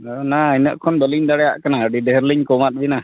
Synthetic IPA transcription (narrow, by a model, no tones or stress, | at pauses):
ɔnaajnəʔkʰɔnbəliɲdaɽɛja̰ʔkanaɖiɖeɦɾliɲkɔmat̪̚bina